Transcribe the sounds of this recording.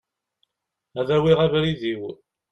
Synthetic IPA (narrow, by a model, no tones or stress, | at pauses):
æðæwiʁævɾiðiw